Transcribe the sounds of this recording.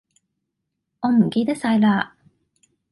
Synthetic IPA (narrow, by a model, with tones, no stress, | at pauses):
ɔ˧nm̩˨˩kʲe˧t̪e˥sa˧jla˧